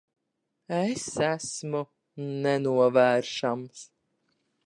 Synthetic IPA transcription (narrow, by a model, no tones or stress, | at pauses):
esæsmu | nɛnuɔvæːɾʃams